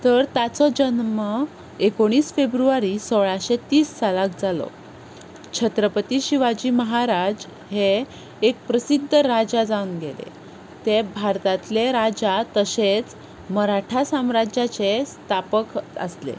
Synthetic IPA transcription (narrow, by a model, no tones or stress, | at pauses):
t̪əɾt̪jat͡sɔd͡ʑənmə | ekoɽ̃iːsfebɾuaɾisoɭaɕet̪iːsːalak̚d͡zalɔ̰ | t͡ɕʰət̪ɾəpət̪iɕiʋad͡ʑiːməɦaɾad͡z | heː | k̚pɾəsid̪ʱːəɾad͡ʑad͡zaunɡelḛ | t̪ebʱaɾt̪at̪leɾad͡ʑat̪əset͡s | məɾaʈʰasamɾad͡ʑjat͡sest̪ʰapəkə̰slḛ